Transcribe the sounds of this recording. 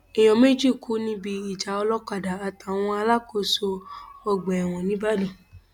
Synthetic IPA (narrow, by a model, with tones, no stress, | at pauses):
ɛ˨j̃ɔ̃˨me˦d͡ʒi˦˨kʰu˨˦nĩ˦bi˧i˨d͡ʒa˨˦ɔ˧lɔ˦k͡pa˦˨da˨a˨ta˨w̃ɔ̃˧a˧la˦ko˦˨so˧ɔ˧ɡ͡bɛ˨ɛ˨w̃ɔ̃˨nĩ˨˦ba˦li˦˨